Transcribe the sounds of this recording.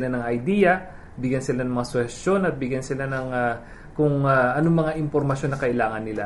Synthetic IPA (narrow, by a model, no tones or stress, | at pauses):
lanɐŋɐjd̪iːjɐ | bɪɡjansɪlanɐŋmɐŋasʊhɛsjo̞nɐt̪̚bɪɡjansɪlanɐŋa | kʊŋaʔɐnomɐŋaʔɪmpoɾmɐʃjo̞nːɐkɐʔɪlaːŋɐnːɪla̰